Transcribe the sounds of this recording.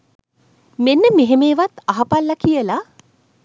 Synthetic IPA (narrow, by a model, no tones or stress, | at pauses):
menːəmeɦemeːʋat̪aɦapalːakijəla